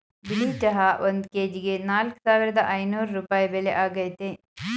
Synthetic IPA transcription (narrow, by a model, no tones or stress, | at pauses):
biliːt͡ʃɐɦɐʔond̪keːd͡ʒiɡenaːlksaːʋiɾɐd̪ɐʔɐjnuːɾːupaːjbeːleʔaːɡɐjt̪e